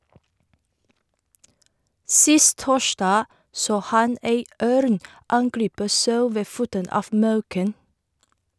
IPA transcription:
ˈsɪst ˈtoːˌʃɖɑː ˈsoː ˈhɑn ˈeɪ ˈœɾn ˈɑŋˌɡɾiːpə ˈsɑʉ ˈʋeː ˈfuːtən ˈɑːf ˈmɑʉkən

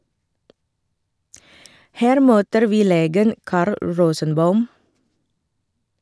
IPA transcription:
ˈhæːɾ ˈmøːtəɾ ˈʋiː ˈleːɡən ˈkɑːɾl ˈɹoːsənˌbɑʉm

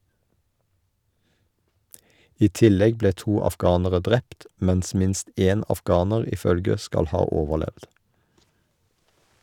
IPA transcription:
ˈiː ˈtɪˌlɛɡ ˈbleː ˈtuː ɑfˈɡɑːnəʁə ˈdʁɛpt ˈmɛns ˈmɪnst ˈeːn ɑfˈɡɑːnəʁ ˈiː ˈfœlɡə ˈskɑl ˈhɑː ˈoːʋəˌlɛʋd

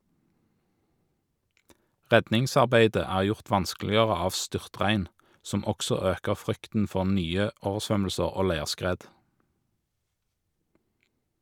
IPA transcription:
ˈʁɛdnɪŋsɑʁˌbæɪdə ˈæːʁ ˈjʊʁt ˈʋɑnsklɪəʁə ˈɑːʋ ˈstʏʁˌtʁæɪn ˈsɔm ˈɔksɔ ˈøːkəʁ ˈfʁʏktn̩ ˈfɔʁ ˈnyːə ˈoːʋəʁˌsʋœml̩səʁ ˈoː ˈlæɪʁˌskʁeːd

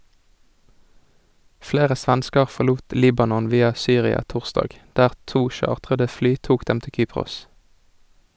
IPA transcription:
ˈfleːʁə ˈsʋænskəʁ ˌfɔʁˈluːt ˈliːbɑnɔn ˈʋiːɑ ˈsyːʁɪɑ ˈtʊʁˌstɑːɡ ˈdæːʁ ˈtuː ˈʃɑːʁtʁədə ˈflyː ˈtuːk ˈdɛm ˈtɪl ˈkyːpʁʊs

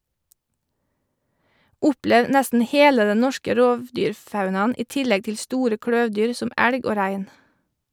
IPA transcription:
ˈʊpleːʋ ˈnɛstn̩ ˈheːlə ˈdɛ ˈnɔʃkə ˈɾoːʋˌdyːɾˌfɑʉnɑn̩ ˈiː ˈtɪlɛɡ ˈtɪl ˈstuːɾə ˈkɽœʋˌdyːɾ ˈsɔm ˈæɽɡ ˈoː ˈɾæɪn

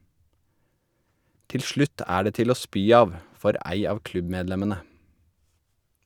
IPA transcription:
ˈtɪl ˈʃɭʉt ˈæː ˈɖeː ˈtɪl ˈoː ˈspyː ˈɑːʋ ˈfɔɾ ˈæɪ ˈɑːʋ ˈklʉbˌmeːdˌlɛmənə

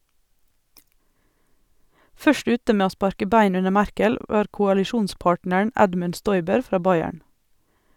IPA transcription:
ˈfœʃt ˈʉːtə ˈmeː ˈoː ˈspɑɾkə ˈbæɪn ˈʉnə ˈmæɾkəl ˈʋɑːɾ kʊɑlɪˈʃuːnˌspɑːʈnəɳ̩ ˈɛdmʉn ˈʃtɔʏbəɾ ˈfɾɑː ˈbɑɪæɳ

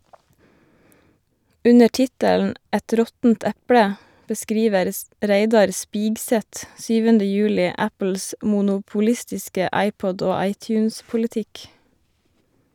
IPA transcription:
ˈʉnə ˈʈɪtəln̩ ˈʔɛt ˈɾɔtn̩t ˈɛpɽə bəˈskɾiːʋəɾ ˈɾeɪdɑɾ ˈspiːɡsɛt ˈsyːʋəndə ˈjʉːlɪ ˈæpl̩s mʊnʊpʊˈlɪstɪskə ˈɑɪˌpɔd ˈoː ˈɑɪˌtjʉːnspʊlɪˌtɪk

